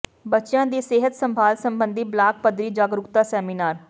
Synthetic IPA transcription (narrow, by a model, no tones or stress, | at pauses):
bətːʃjãːd̪iːseːɦət̪səmbʱaːlsəmbənd̪ʱiːblaːk̚pəd̪ɾiːd͡ʒaːɡɾʊkt̪aːsɛːmiːnaːɾ